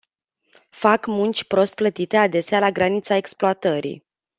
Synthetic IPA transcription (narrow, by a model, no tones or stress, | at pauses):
fakmunt͡ʃʲpɾo̞st̪̚plət̪it̪e̞ad̪e̞sealaɡɾanit̪sae̞ksploat̪əɾḭ